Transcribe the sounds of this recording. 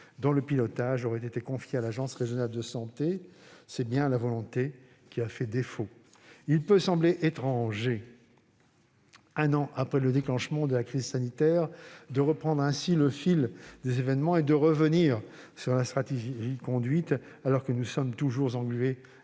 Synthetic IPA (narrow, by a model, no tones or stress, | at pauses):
d̪ɔ̃ləpilɔt̪aʒɔʁɛt̪et̪ekɔ̃fjealaʒɑ̃sʁeʒjɔnald̪əsɑ̃t̪esɛbjɛ̃lavɔlɔ̃t̪e | kʲiafɛd̪efo | ilpøsɑ̃bleʔet̪χɑ̃ʒe | ɛ̃nɑ̃ʔapχɛləd̪eklɑ̃ʃmɑ̃d̪əlakχizsanit̪ɛʁd̪əʁəpχɑ̃d̪ʁɛ̃siləfild̪ezevɛnmɑ̃ed̪əʁəvəniːʁsyʁlast̪χat̪eʒʒikɔ̃d̪ɥit̪ | alɔʁkənusɔmt̪uʒuʁzɑ̃ɡlye